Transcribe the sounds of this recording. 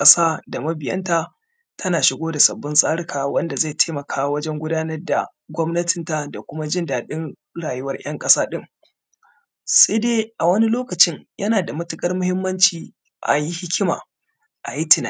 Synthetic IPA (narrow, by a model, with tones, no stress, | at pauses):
kʼɐ˦saː˦da˨mɐ˦bɪ˨jɐ̰˦nta˦ | tʰɐ˦naː˨ʃɪ˦ɡʷoː˦da˨sɐ̰˨bːʊ˦nsʼaː˦ɽɪ˨kʰaː˨wɐ˦nda˨zae˦˨tʰeː˦mɐ˨kʰaː˦wɐ˦d͡ʒɛ˦ŋɡʷʊ˦daː˦nɐ˦rda̰˨ | ɡʷɔ˦mnɐ˦tʰɪ˨nta˦da̰˨kʷʊ˦ma˦d͡ʒɪ˦ndaː˨ɗɪ˦n | ɽaː˨jʊ˦wɐ˦rj̰ɐ˦ŋkʼɐ˦saː˦ɗɪ˦˨ŋ | se˦deː˦ʔa˨wɐ˦ni˦loː˦kɐ˨t͡ʃɪ˦ɲjʔɐ˦naː˨da˨mɐ˦tʊ˦kʼɐ˦rmʊ˦hɪ˦mːɐ˦nt͡ʃiː˨ | ʔa̰˨ji˦hɪ˦kʲɪ˦ma̰ː˨ | ʔa̰˨ji˦tɪ˨na˨